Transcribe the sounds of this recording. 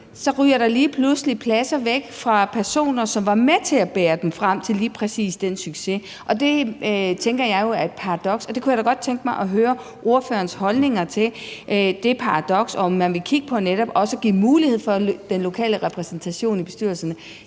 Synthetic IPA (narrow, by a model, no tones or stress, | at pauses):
sɒ̽ʁyːɐɾ̥ɑ̈liːpʰlusəlipʰlæsɐʋeɡ̥fʁɑ̈pʰæɐso̝̰ːnɐsɒ̽mʋɑ̈met͡sʰe̝æb̥ɛːɐd̥emfʁam̰t͡sʰe̝liːpʰʁɛsḭːsd̥ensyɡ̥se | ʔɒ̽d̥e̝t͡sʰeŋɡ̥ɐjɑ̈ɪjo̝æɐed̥̚pʰɑ̈ʁɑd̥ɒ̽ɡ̥sɒ̽d̥e̝kʰujaɾɒɡ̥ɒ̽d̥̚t͡sʰeŋɡ̥əmɑ̈ɪʔɒ̽ɦøːɐ | ʔo̝ɐfø̰ːɐnshɒ̽lne̝ŋɐt͡sʰe̝ʔd̥e̝pʰɑ̈ɑ̈d̥ɒ̽ɡ̥sɒ̽ɒmːænʋe̝kʰiɡ̥əpʰɒ̽neɾɒb̥ɒ̽səɡ̥ḭːmuːlihe̝ð̰ˠfɒ̽d̥enlo̝kʰɛ̰ːləʁɛpʰʁɛsnt͡sʰæɕo̝̰ːnib̥e̝sd̥yɐlsɐnə